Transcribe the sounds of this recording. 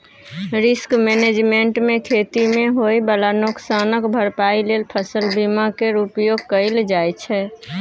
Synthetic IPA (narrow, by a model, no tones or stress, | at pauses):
ɾɪskmened͡ʒmeɳʈmẽkʰet̪imeɦojbəlanoksanəkbʱəɾpailelpʰəsəlbimakeɾupjoɡ̚kəɪld͡ʒajt͡ʃʰɛ